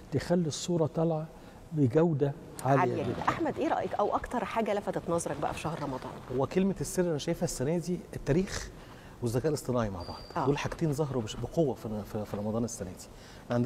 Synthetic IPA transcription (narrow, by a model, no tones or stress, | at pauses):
t̪exælːisˤːuːɾˤɑt̪ˤɑlʕɑ | beɡæwd̪æ | ʕaːlejjɡed̪æʔaħmæd̪ʔeːɾˤɑ̰ʔikʔæwʔɑkt̪ɑɾˤħaːɡælæfæt̪et̪nɑzˤɑɾˤɑk̚bæʔæ̰fi̥ʃæhɾɾˤɑmɑd̪ˤɑ̰ːnwækelmesːeɾʔænæʃæjefæsːænæːziet̪ːæːɾiːx | wezːækæːʔelesˤt̪ˤenɑːʕima̰ʕbɑ̰ʕd̪ˤoːlħaɡt̪iːnzˤɑɦɾˤwbeqowːæffifiɾˤɑmɑd̪ˤɑːnesːænæːd̪i̥ | mʕand̪